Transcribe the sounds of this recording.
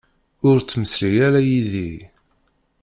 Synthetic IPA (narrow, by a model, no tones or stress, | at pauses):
ʊɾt͡sːməslijæɾæjiði